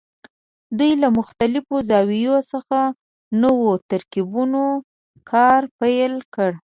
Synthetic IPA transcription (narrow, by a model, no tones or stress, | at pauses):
d̪ujlamʊxt̪alɪfozɑwijosəxa | nəwot̪aɾkibuno | kʰɑɾpajlkəɽ